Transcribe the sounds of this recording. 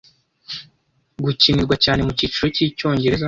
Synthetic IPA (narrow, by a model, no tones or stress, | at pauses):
ɡucimiɾɡwacaːne̞muciːt͡ʃuɾociːco̞ːɲɟe̞ɾe̞za